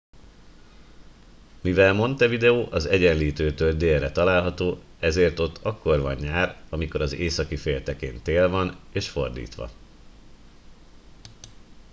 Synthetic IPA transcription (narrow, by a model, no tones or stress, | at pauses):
mivɛlmo̞nt̪ɛvid̪ɛoːʔɒzɛɟɛnliːt̪øːt̪øːld̪eːlːɛt̪ɒlaːlɦɒt̪oː | ɛzeːrt̪o̞t̪ːʰɒkːo̞rvɒ̰ɲːaːrɒmiko̞ɾɒzeːsɒkifeːlt̪ɛkeːnt̪eːlvɒneːʃfo̞rd̪ḭːt̪ʋɒ̰